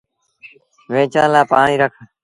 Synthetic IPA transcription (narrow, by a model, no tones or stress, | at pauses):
ʋẽːt͡ʃãːlaːpaːɳĩːɾəkʰ